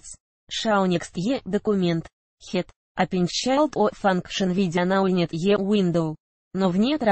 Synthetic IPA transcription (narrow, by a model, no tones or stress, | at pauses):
t͡s | ʂawnʲekst̪jed̪okumʲent̪ | xʲet̪ | apʲɪnʲt͡ɕalˠt̪ofankʂənvʲidʲanaunʲet̪jewind̪ow | novnʲet̪